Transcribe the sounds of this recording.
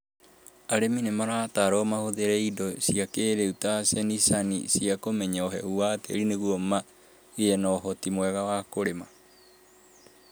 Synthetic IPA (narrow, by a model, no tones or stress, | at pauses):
aɾeminemaɾataɾɔmahoðeɾeidɔsiakeɾeutasenisanḭsiakomɛɲaoɦɛuateeɾineɣuoma | eenɔɦotimoɛɣawakoɾema